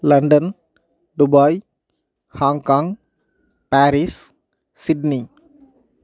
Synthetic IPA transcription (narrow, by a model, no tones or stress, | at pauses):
lɐ̃ɳɖən | ɖubaj | hãːŋkãŋ | pæːɾis | siɖni